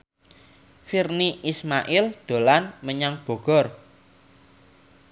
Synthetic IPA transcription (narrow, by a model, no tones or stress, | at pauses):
firniʔismaʔɪld̪̥o̤lanməɲaŋb̥ɔ̤ɡ̥ɔ̤r